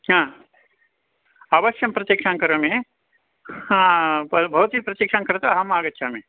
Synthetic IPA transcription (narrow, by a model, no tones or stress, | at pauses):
ɦãː | ɐbɐʃjɐmpɾɐt̪iːkʂaːŋkɐɾɐmeː | hãbʱɐʋɐt̪ipɾɐt̪iːkʂaːŋkɐɾɐt̪ɐɐɦɐmaːɡɐt̪ːʃʰaːme